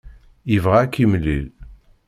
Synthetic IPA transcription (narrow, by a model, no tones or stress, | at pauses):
jivʁakːimlḭl